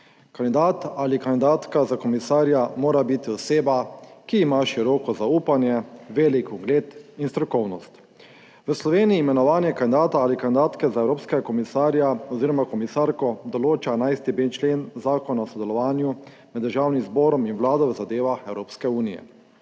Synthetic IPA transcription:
kand̪id̪aːt̪alikand̪id̪aːt̪kazakɔmisaːɾjamoːɾabit̪iɔseːbakiːmaʃiɾɔːkɔzauːpanjɛʋeːlikɔɡleːt̪inst̪ɾɔkɔwnɔst̪ | ʋəslɔʋeːniiːmɛnɔʋaːnjɛkand̪id̪aːt̪aalikand̪id̪aːt̪kɛzaɛwɾoːpskɛɡakɔmisaːɾjaɔziːɾɔmakɔmisaɾkɔd̪ɔloːt͡ʃaɛnajst̪ibent͡ʃleːnzaːkɔnaɔsɔd̪ɛlɔʋaːnju | mɛd̪ːəɾʒaːwnimzbɔːɾɔminʋlaːd̪ɔwəzad̪eːʋaxɛwɾoːpskɛuːnijɛ̰

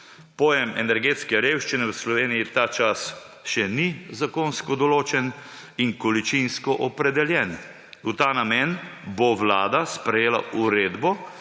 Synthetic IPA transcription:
pɔːjɛmɛnɛɾɡeːt̪skɛɾewʃt͡ʃinɛwəslɔʋeːnijit̪at͡ʃas | ʃɛnizakonskɔd̪ɔloːt͡ʃɛn | iŋkɔlit͡ʃinskɔʔɔpɾɛd̪ɛljɛn | ut̪aːnamenboʋlaːd̪aspɾɛjeːla̰uɾeːd̪bɔ

